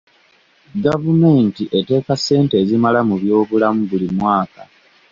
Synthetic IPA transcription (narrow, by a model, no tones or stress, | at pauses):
ɡavume̞ːntiʔe̞te̞ːkase̞ːnte̞ːzimalamuβjo̞ːβulamuβulimwaːka